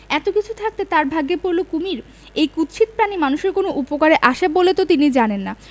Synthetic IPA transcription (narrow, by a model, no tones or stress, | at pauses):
ɛt̪okit͡ɕʰut̪ʰak̚t̪et̪aɾbʱaɡːepoɾlokumiɾ | ejkut̪ʃit̪̚pɾanimanuʃeɾkonoʔupokaɾeʔaʃabolet̪ot̪inid͡ʑanenːa